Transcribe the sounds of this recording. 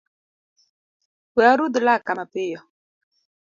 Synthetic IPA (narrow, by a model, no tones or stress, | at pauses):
wɛaɾud̪ulakamapejɔ